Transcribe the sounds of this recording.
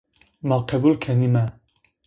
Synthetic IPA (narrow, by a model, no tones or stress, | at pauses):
maqʰɛbulkʰɛnimɛ